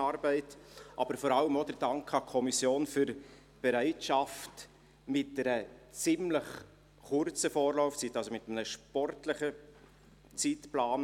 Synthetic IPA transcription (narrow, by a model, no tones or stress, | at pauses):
ɑːɾbɛɪtʔɑbəɾfɔɾɑləmod̪əɾdɑŋkχɑkʰɔmisjoːnfyɾ | b̥ɛɾæɪtʃɑft | mɪt̚dɛɾət͡sɪmləχ | χʊrt͡səfoːɾlɔʊft͡sitːɑlsomɪt̪əmənəʃpɔrtləχə | t͡sitplaːn